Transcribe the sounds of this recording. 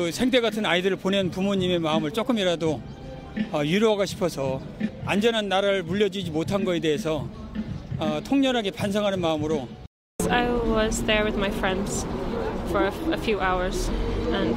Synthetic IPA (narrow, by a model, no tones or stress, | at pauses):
sʰeŋt̬ʰe̞ɡatʰɯnaidɯɾɯɭponenpumoɲime̞maɯmɯɭt͡ɕ͈ok͈ɯmiɾado | ʌjuɾoɦaɡoɕʰi̥pʰʌsʰʌ | and͡ʑʌnanːaɾaɾɯɭmuʎːʌd͡ʑid͡ʑimotʰanɡʌe̞de̞ɦesʰʌː | tʰoŋɲʌɾɦaɡe̞pansʰʌŋɦanɯnmaɯmɯɾo | aɪwʌzðə˞wɪðmaɪfɹɛ̃ndz̥fə˞əfjʉʔaʊə˞z̥ɨ̃n